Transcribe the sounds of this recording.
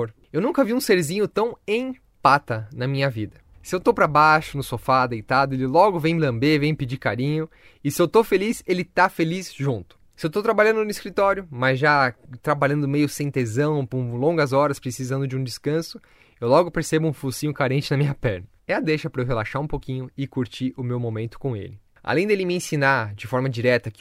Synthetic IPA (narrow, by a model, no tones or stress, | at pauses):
ɾ | ewnũŋkɐviũseɾzĩɲʊt̪ɐ̃w̃ẽj̃ | pat̪ɐnɐmĩɲɐvid̪ɐ | sɪewt̪owpɾɐbaʃʊnʊsofad̪ejt̪ad̪ʊelɪlɔɡʊvẽj̃mɪlɐ̃mbevẽj̃pɪd͡ʒiɾkaɾĩɲʊ | ɪsɪewt̪ofelizelɪt̪afelizʒũnt̪ʊ̥sɪewt̪owt̪ɾabaʎɐ̃nd̪ʊnʊiskɾit̪ɔɾjʊmɐzʒat̪ɾabaʎɐ̃nd̪ʊmejʊsẽj̃t̪ezɐ̃w̃pʊ̃lõŋɡɐzɔɾɐspɾesizɐ̃nd̪ʊd͡ʒũd͡ʒɪskɐ̃sʊ | ewlɔɡʊpeɾsebʊũfusĩɲʊkaɾẽnt͡ʃɪnɐmĩɲɐpɛɾnɐɛɐd̪eʃɐpɾɐewɦelaʃaɾũpokĩɲʊɪkuɾt͡ʃiʔʊmewmomẽnt̪ʊ̥kõḛlɪ | a̰lẽj̃d̪elɪmɪẽsinad͡ʒɪfɔɾmɐd͡ʒiɾɛt̪ɐk